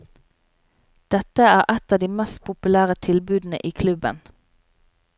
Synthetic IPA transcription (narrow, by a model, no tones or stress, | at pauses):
d̪̥ɛt̪əæːʁʔɛt̪ɑːd̪iːmɛst̪̚pʰʊpʉlæːʁət̪ʰɪlbʉːd̪n̩ə̰ʔiːkʰlʉbə̰n